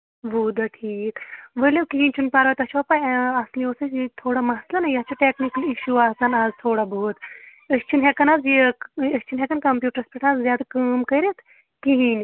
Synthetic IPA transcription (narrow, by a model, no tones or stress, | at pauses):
ʋuːd̪aʈʰiːkʋəlekiɦĩnʲt͡ʃʰunpaːɾʋɐt̪ɐʃʰopaasliosɐjit̪ʰoːɽamɐɦslɐnajɐt͡ʃʰuʈeːknikəliʃuaːsaːnaːzt̪ʰoːɽabout̪ | ɐst͡ʃʰinɦekɐnaːzjiɐst͡ʃʰinɦekɐnkɐmpjuːʈɐɾspʲiʈʰaːzzjaːd̪akɐːmkɐjɾet̪ʰ | kiɦinʲ